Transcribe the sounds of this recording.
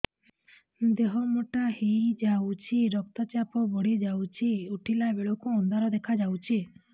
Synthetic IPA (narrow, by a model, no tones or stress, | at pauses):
d̪eɦɔmoʈahijd͡ʒawt͡ʃʰiɾɔk̚t̪at͡ʃapɔbɔɽid͡ʒawt͡ʃʰiuʈʰilabeɭɔkuɔnd̪ʱaɾɔd̪ekʰad͡ʒawt͡ʃʰi